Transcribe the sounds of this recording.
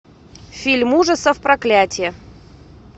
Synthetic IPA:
fʲilʲmuʐəsəfpɾɐklʲætʲɪjə

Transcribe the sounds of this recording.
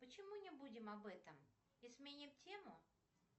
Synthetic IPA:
pət͡ɕɪmunʲɪbudʲɪmɐbɛt̪əm | ɪsmʲenʲɪmtʲemʊ

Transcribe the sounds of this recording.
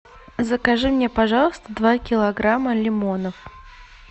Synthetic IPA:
zəkɐʐɨmnʲepɐʐɑlˠəst̪əd̪vakʲɪlˠɐɡɾaməlʲɪmonəf

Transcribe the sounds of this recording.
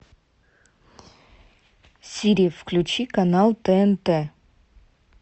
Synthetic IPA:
sʲiɾʲijəfklʲʉt͡ɕikɐnalˠt̪ɛɛnt̪ɛ

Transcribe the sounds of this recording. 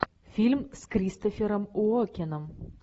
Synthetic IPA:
fʲilʲmskɾʲist̪ofʲeɾəmuɔkʲɪnəm

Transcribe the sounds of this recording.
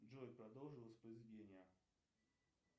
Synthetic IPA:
ʐojʲpɾɐd̪olˠʐɨlˠsʲpɾəzʲɪdʲenʲɪjə

